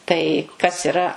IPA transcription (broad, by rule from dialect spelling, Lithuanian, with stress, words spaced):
tɐɪ kɐs ɪˈrɐ